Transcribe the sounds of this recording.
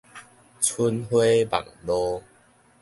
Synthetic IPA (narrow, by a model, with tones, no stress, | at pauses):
t͡sʰu˧nɦwe˦ba̰˨˩ŋlɔ˦